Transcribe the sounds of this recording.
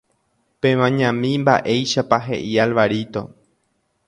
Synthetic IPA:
pẽmãɲãmĩmba̰ʔe̞jʃapaɦe̞̰ʔialʋaɾit̪o̞̰

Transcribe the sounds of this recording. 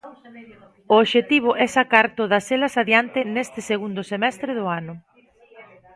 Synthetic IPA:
ʊːβʃet̪iβ̞ʊʔɛsakaɾt̪oð̞ɐselɐsaðjant̪ɪnest̪ɪseɣund̪ʊsemɛst̪ɾɪðʊanʊ

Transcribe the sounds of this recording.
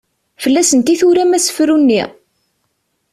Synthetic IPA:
fəlːæsənt̪iθuɾæmæsə̥fɾunːiʁ

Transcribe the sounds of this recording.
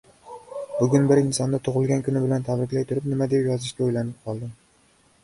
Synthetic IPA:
bʊɡʲʊnbɪɾɪnsɒnd̪at̪ʰoʁɨlˠɡʲankʰʊnɪbɪlant̪ʰabɾɪkʲlajt̪ʰʊɾɪp̚nɪmad̪e̞pjɒzɪʃkʲaojlanɪp̚qʰɒlˠd̪ɪm

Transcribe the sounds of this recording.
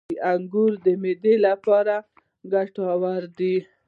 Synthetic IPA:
aŋɡuɾd̪əmed̪elapɑɾa | ɡaʈɑwaɾd̪i

